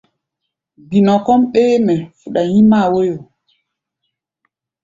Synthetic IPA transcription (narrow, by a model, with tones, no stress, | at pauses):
ɡi˨nɔ˨kɔ˦mɓe˦mɛ˨fu˨ɗa˨jĩ˦ma˦˨wo˦jo˨